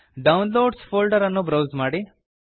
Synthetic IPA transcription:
ɖɐwnloːɖspʰoːlɖɐɾɐnːubɾɐwzmaːɽi

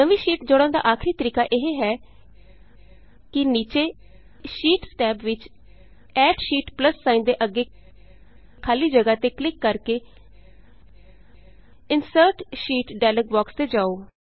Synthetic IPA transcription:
nəʋiːʃiːʈd͡ʒoːɽãːnd̪a̰ːʔaːkʰɾiːt̪əɾiːkaːʔeɦeɦɛː | kɪniːt͡ʃeː | ʃiːʈsʈɛːpʋɪt͡ʃ | ɛːʈʃiːʈpləsːaːĩnd̪eːʔəɡeː | kʰaːliːd͡ʒəɡaːt̪eːklɪkːəɾkeː | ɪnsəɾʈʃiːʈɖaːləɡ̚bɔːkst̪eːd͡ʒaːoː

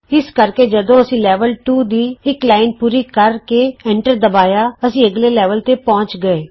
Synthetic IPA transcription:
ɪskəɾkeːd͡ʒəd̪õːəsĩːlɛːʋəlʈuːd̪iːɪklaːɪnpuːɾiːkəɾkeːɛ̃ːɳʈəɾd̪əbaːjaːəsĩːəɡleːlɛːʋəlt̪eːpɔ̃ːt͡ʃɡəeː

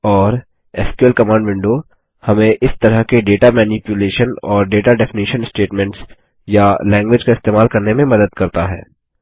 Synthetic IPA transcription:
ɔːɾ | ɛːskuəlkɐmãːɳɖʋɪ̃ɳɖo | hɐmẽʔɪst̪ɐɾəɦkeɖeːʈamɛːnipjʊleːʃənɔːɾɖeːʈaɖɛfɪniːʃənsʈeːʈmɛ̃ɳʈs | jalɛ̃ːŋɡʋɪd͡ʒkaɪst̪eːmaːlkɐɾnemẽmɐd̪əd̪̚kɐɾt̪aɦɛ̰ː

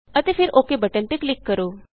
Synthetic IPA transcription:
ət̪efɪɾoːkebəʈənt̪eklɪkːəɾoː

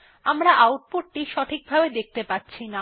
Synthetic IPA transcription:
amɾaʔawʈ̚poʈ̚ːiʃɔʈʰik̚bʱabed̪ek̚t̪epatːɕʰina

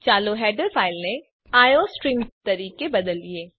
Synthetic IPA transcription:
t͡ʃaːloɦɛːɖəɾfʰaːɪlnẽ | aːjosʈɾiːmt̪ɐɾiːkebɐd̪əlieː

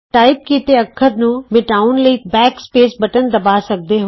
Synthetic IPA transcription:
ʈaːɪp̚kiːt̪eɐkʰːəɾnũmɪʈaːʊnləiːbɛːkspeːsbɐʈənd̪ɐbaːsɐk̚d̪eɦʊ̃

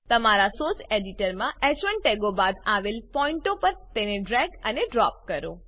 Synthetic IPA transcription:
t̪əmaɾasoseɖiʈəɾmãʔɛt͡ʃʋəɳʈeɡobad̪aʋelpɔiɳʈopəɾt̪eneɖɾɛɡəneɖɾɔp̚kəɾo̰

